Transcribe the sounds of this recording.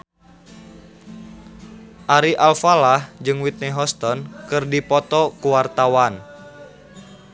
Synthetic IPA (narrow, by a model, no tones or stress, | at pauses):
ʔaɾiʔalfalahd͡ʒɨŋwit̪̚niɦɔst̪ɔnkɨrdipɔt̪ɔkuwart̪awan